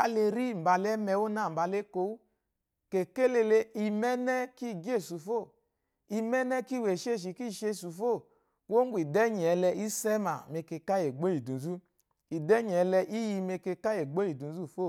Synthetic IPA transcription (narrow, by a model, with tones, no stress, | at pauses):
a˦le˧ɾi˦˨m̩˨ba˧lɛ˦mɛ˧wo˦na˨m̩˨ba˧le˦ko˧wu˦ | ke˨ke˦le˧le˧˦i˧mɛ˦nɛ˦ki˦˨ɡe˦˨su˨fo˦˨ | i˧mɛ˦nɛ˦ki˦˨we˨ʃe˦˨ʃ̬i˨ki˦˨ʃe˧˨su˨fo˦˨ | wo˦ŋ˦ɡʷi˨dɛ˦ɲ˨ɛ˧lɛ˧ʔi˦sɛ˦ma˨me˧ke˧ka˦je˨ɡ͡bo˦i˨dũ˨zu˦ | i˨dɛ˦ɲ˨ɛ˧lɛ˧ʔi˦ji˧me˧ke˧ka˦je˨ɡ͡bo˦i˨du˨˦zu˦˨fo˦˨